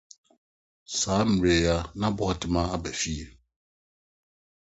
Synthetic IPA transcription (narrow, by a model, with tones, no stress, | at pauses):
saː˨˦m̩˨ɾe˨a˨nã˦bɔ˦ha˨tɪ˨mã˦a˦bɛ˨fi˦e˨